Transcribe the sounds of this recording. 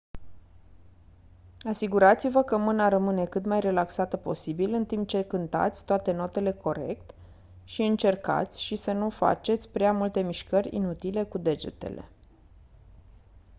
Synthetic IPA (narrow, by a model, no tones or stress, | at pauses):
asiɡuɾat̪sivəkəmɨnaɾəmɨne̞kɨt̪majre̞laksat̪əpo̞̰sibilɨnt̪imp̚t͡ʃe̞kɨnt̪a̰t̪sʲt̪oat̪e̞no̞t̪e̞le̞ko̞ɾe̞̰kt̪ | ʃiɨnt͡ʃe̞rka̰t̪sʲʃisənufa̰t͡ʃe̞t̪sʲpɾeamult̪e̞miʃkərʲḭnut̪ile̞kud̪e̞d͡ʒe̞̰t̪e̞̰le̞̰